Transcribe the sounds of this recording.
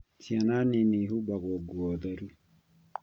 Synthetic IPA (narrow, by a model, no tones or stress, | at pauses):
tʰiananiniɦubakɔɡuɔd̪aɾu